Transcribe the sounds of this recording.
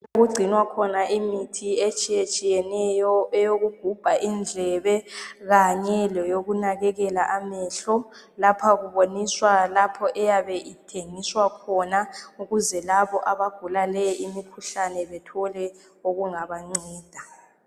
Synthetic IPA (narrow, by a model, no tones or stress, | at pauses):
oɣuɡ͡ǀʱinwakʰɔnaʔimitʰiet͡ʃʼijet͡ʃʼijɛnɛjɔɛjoɣuɡ̥ʱub̥ʱaʔind͡ɮʱɛβɛɣaɲɛlɛjoɣunaɣɛɣɛlaʔamɛɬɔ | lapʰaɣuβoniswalapʰɔʔɛjaβɛʔitʰeŋiswakʰɔnauɣuzɛlaβɔʔaβaɡ̥ʱulalɛjimikʰuɬanɛβɛtʰɔlɛ | oɣuŋaβaŋ͡ǀɛːd̥ʱa